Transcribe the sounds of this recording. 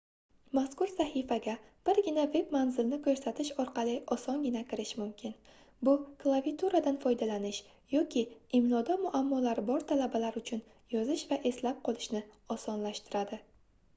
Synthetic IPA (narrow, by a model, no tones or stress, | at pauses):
maskʊɾsahɪfaɡʲab̥ɪɾɡʲɪnave̞bmanzɪlnɪkʰɵɾsat̪ʰɪʃɒɾqɑlɪʔɒsɒnɡʲɪnakʲɪɾɪʃmʊmkʲʰɪn | bʊkʰlˠavit̪ʰuɾad̪anfɒjd̪alanɪʃ | jɒkʲʰɪɪmlɒd̪amʊʔamːɒlaɾbɒɾt̪ʰalabalaɾʊt͡ʃʰʊn | jɒzɪʃvaʔe̞slap̚qʰɒlˠɪʃnɪɒsɒnlaʃt̪ɪɾad̪ɪ